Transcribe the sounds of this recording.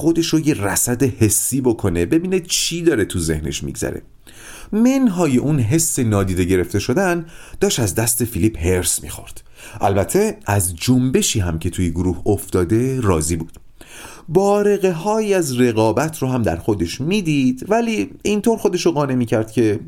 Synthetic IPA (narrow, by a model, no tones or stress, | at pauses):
xod̪e̞ʃojeræsæd̪ehe̞sːiːbokʰo̞ne̞be̞biːnet͡ʃʰiːd̪ɒːɾe̞t̪ʰuze̞̰hnḛʃmḭɡzæ̰ɾḛ | menɦɒːjeʔunɦe̞sːe̞nɒːd̪iːd̪e̞ɟe̞ɾe̞ft̪e̞ʃo̞d̪ænd̪̥ɒːʃtæzd̪æst̪e̞filiphe̞ɾsmḭːxo̞̰ɾd̪̥ | ʔæ̰lbæt̪ʰe̞ʔæzd͡ʒombe̞ʃiːɦæmcʰe̞t̪ʰuːjeɡoɾuːhoft̪ɒːd̪e̞ɾɒːzibuːd̪̥ | bɒːɾe̞ɣe̞ɦɒːjiæzre̞ɣɒːbæt̪ʰɾoɦæmd̪æ̰ɾxo̞d̪e̞ʃmiːd̪id̪væliːint̪ʰoːɾxo̞d̪e̞ʃoɣɒːne̞miːcʰæɾd̪̥̚cʰe̞